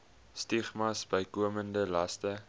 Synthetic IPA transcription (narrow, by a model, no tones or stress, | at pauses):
stiχmɐsbəjkuəməndəlɐstə